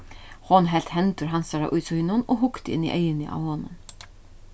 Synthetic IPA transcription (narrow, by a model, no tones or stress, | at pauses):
hɔnɦɛl̥t̪ɦɛnt̪ʊɾɦansaɾa̰ʔʊjsʊɪnʊnɔɦʊkt̪ɪɪ̰nːḭʔɛjɪnɪʔa̰whoːnʊn